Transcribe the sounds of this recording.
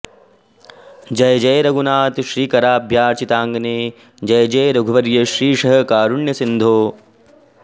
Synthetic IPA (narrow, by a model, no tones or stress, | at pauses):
d͡ʒɐjd͡ʒɐjɾɐɡʱunaːt̪ʃɾiːkɐɾaːbʱjaːt͡ʃit̪aːŋɡɐneː | d͡ʒɐjd͡ʒɐːɾɐɡʱuʋɐɾjɐʃɾiːʂɐɦɐkaːɾuɳjɐsind̪ʱoː